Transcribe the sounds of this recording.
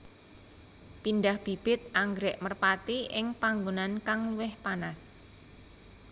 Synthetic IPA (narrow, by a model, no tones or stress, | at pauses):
pindahb̥i̤b̥ɪt̪̚aŋɡɾɛʔmərpat̪iʔɪŋpaŋɡonankaŋluwɪhpanas